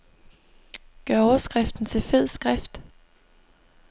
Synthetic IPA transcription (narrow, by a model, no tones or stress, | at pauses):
ɡ̥ɶɐɒʊɐsɡ̥ʁɛfd̥n̩t͡sʰe̝lfe̝ð̰ˠsɡ̥ʁafd̥